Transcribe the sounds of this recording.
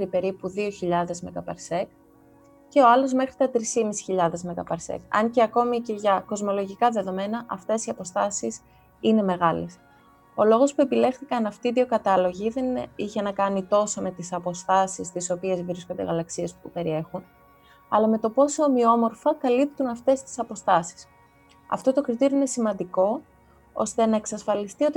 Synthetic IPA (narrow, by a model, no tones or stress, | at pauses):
ɾipe̞ɾipuðio̞çiʎɐðe̞zme̞kɐpɐɾse̞k̚ | ce̞o̞ɐlo̞zme̞xɾit̪ɐt̪ɾisimisi̥çiʎɐðe̞zme̞kɐpɐɾsḛkɐ̰ɲce̞ɐko̞mice̞ʝɐko̞zmo̞lo̞ʝikɐðe̞ðo̞me̞nɐʔɐft̪e̞siɐpo̞st̪ɐsis | ine̞me̞ɣɐles | o̞lo̞ɣo̞spue̞pile̞xθikɐnɐft̪iːðio̞kɐt̪ɐlo̞ʝiðe̞niçenɐkɐnit̪o̞so̞me̞t̪isɐpo̞st̪ɐsist̪iso̞pie̞zvɾiskond̪e̞ɣɐlɐksie̞spupe̞ɾie̞xun | ɐ̰lɐme̞t̪o̞po̞somio̞mo̞ɾfɐkɐlip̚t̪unɐft̪e̞st̪i̥sɐpo̞st̪ɐsi̥s | ɐ̰ft̪o̞t̪o̞kɾit̪iɾioine̞simɐnd̪iko̞ | o̞̰st̪e̞nɐe̞ksɐsfɐlist̪io̞t̪